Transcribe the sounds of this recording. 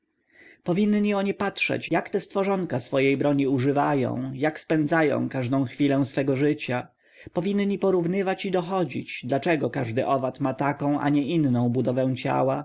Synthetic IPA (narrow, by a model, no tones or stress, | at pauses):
pɔvʲinɲiɔɲɛpatʂɛ̰t͡ɕjakt̪ɛst̪fɔʐɔŋkasfɔjejbɾɔɲiuʐɘvajɔ̰̃w̃jakspɛnd̪zajɔ̰̃w̃kaʐd̪ɔ̃w̃xfʲilɛ̃w̃sfɛɡɔʐɘt͡ɕa | pɔvʲinɲːipɔɾuvnɘvat͡ɕid̪ɔxɔd͡ʑḭt͡ɕd̪lat͡ʂɛɡɔkaʐd̪ɘʔɔvat̪mat̪akɔ̃w̃ʔa̰ɲɛʔinːɔ̃w̃bud̪ɔvɛ̃w̃t͡ɕa̰wa